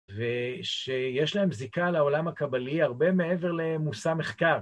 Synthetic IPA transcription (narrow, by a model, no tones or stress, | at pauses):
veʃejeʃlaemzikalaolamhakabaliaʁbe̞me̞eve̞ʁle̞musame̞χkaʁ